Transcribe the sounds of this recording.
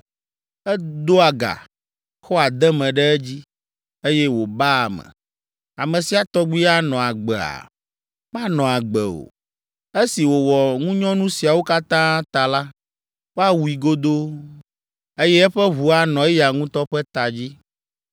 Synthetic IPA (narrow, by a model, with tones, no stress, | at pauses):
ɛ˦d̪o˦a˨ɡa̰˨ | xɔ˦a˨d̪ɛ˦mɛ̃˨ɖɛ˦ɛ˦d͡ʑi˦ | e˦jɛ˦wo˨ba˦˨mɛ̰̃˨ | a˨mɛ̃˨si˨a˨t̪ɔ˦ɡ͡bi˦a˦nɔ̃˨a˨ɡ͡bɛ˨a̰˨ | m˦a˦nɔ̃˨a˨ɡ͡bɛ˨o̰˨ | e˦si˨wo˨wɔ˨ŋũ˦ɲɔ̃˦nũ˦si˨a˨wo˦ka˦t̪ã˦t̪a˨la˦ | wo˦a˦wu˨i˨ɡo˦d̪o˦ | e˦jɛ˦ɛ˦ɸɛ˦βu˨a˦nɔ̃˨ɛ˦ja˨ŋũ˦t̪ɔ˦ɸɛ˦t̪a˨d͡ʑi˦